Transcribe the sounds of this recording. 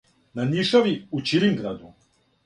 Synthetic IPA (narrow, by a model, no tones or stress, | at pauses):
naniʃoʋiut͡ʃiɾiŋɡɾad̪u